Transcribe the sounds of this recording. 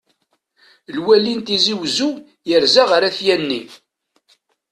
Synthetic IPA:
lwælint̪iziwzu | jəɾzaʁɾaθjænːi

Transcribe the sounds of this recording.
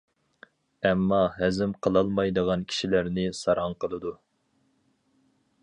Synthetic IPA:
ɛmːɑɦæzɪmqʰəlˠɑlˠmɑjd̪əʁɑnkʲʰi̥ʃilæɾnɪsɑɾɑŋqʰəlˠɨd̪u

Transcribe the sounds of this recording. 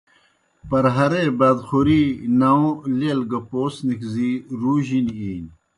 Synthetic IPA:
pɐɾɦɐɾebaːd̪xuɾinaõlelɡɐpoːsnikziɾuːʑiniiːn

